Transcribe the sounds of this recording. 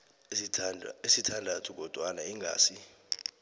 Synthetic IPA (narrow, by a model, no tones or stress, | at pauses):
esitʰandʱatʰuk̬ɔd̥ʱwanaiŋʱa̰ːsi